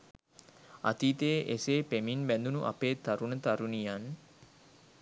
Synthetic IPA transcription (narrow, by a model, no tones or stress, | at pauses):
a̰t̪iːt̪eːʔeseːpeminbænd̪unuʔa̰peːt̪aɾunət̪aɾunijan